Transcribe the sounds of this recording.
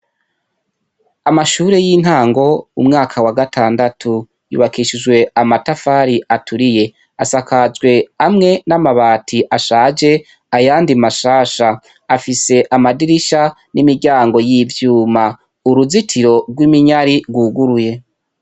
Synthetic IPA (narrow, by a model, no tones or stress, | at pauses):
amaʃuːɾe̞jiːn̥haːŋɡo̞umŋaːkʰawaɡatʰaːndatʰu | jṵːβakʰiʃid͡ʒwe̞amatafaːɾiʔatʰuɾije̞ | asakazɡwe̞amŋe̞namaβaːtʰiʔaʃaːd͡ʒe̞ | ajaːndimaʃaːʃaː | fise̞ʔamadiɾiʃa | nimiɾɟaːŋɡo̞jivjuːma | uɾuzitʰiɾo̞ɾɡwimiɲaɾiɾɡuːɡuɾuje̞